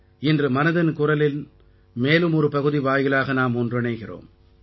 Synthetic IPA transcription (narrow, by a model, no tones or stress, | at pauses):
ɪndrɯmɐnɐðɐnkʊrɐlɪl | meːlɯmɔɾɯpɐɣɯðiʋaːjɣɐlaːɣɐnaːmɔndrɪɳɐɪɣɪro̰ːm